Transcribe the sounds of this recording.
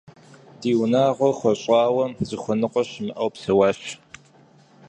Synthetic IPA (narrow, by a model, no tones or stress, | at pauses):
d̥iːwnaːʁʷɔχʷɔɕʼɑːwɐzɨxʷɔnɨqʷʼɔɕmɨʔɐwpsɐwaːɕ